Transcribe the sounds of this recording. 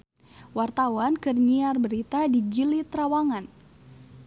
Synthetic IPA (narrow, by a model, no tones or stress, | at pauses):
wart̪awankərɲiarbəɾit̪adiɡilit̪ɾawaŋan